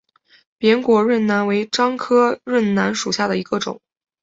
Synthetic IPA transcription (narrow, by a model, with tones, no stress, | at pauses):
pjɛ˧˥nkwɔ˧˥ɻə˥˩nna˧˥nwe˧˥ɪʈ͡ʂɑ˥ŋkʰɤ˥ɻə˥˩nna˧˥nʂu˨˩ɕja˥˩d̪ə˩i˧˥ɡ̥ə˧ʈ͡ʂʊ̰˨˩˦ŋ